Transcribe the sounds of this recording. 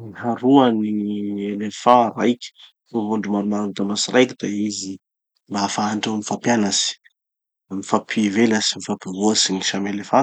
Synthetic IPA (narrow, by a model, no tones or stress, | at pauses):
niɦaɾuanielefaɾajkʲə̥ | fuvuɳɖ͡ʐumaɾumanut̪amasiɾajkid̪aizi | mbaafaaɳɖ͡ʐaamifapjanasi̥ | mifapʰivelasimifapivuasiniʃamelefa